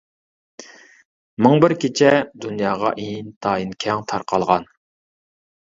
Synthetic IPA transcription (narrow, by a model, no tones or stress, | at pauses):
mɨŋbɪɾkʲʰet͡ʃʰɛd̪unjɑːʁɑ̰ʔejint̪ʰɑːinkʲʰɛŋt̪ʰɑɾqɑlˠʁɑn